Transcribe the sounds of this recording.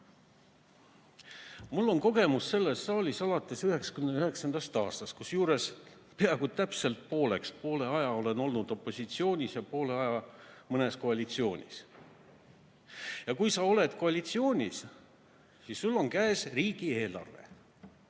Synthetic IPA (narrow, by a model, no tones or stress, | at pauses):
mulːo̞nko̞ɡe̞musse̞lːe̞sːɑːlʲisɑlɑt̪ːˑe̞syɦe̞ksɑ̥kymneyhe̞ksɑnd̪̥ɑst̪ɑːst̪ɑst̪̚kusjuːɾe̞s | peɑɡud̥̪̚t̪æpse̞lt̪̚po̞ːle̞kspo̞ːle̞ɑjɑo̞le̞no̞lnud̪̥o̞pːˑo̞sʲit̪sio̞ːnʲisjɑpo̞ːle̞ɑjɑmɤne̞sko̞ɑlʲit̪sio̞ːnʲḭs | jɑkujsɑo̞le̞t̪ko̞ɑlʲit̪sio̞ːnʲis | sissulːo̞ŋkæːsriːɡ̥ie̞ːlɑ̰rve̞̰